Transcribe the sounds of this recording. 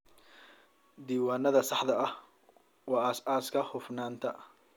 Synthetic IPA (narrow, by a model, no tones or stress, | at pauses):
d̪iːwaːnɐðɐsɑħd̪ɐɐh | wɑːsaːskʰɐhʊfnaːnt̪ʰɐ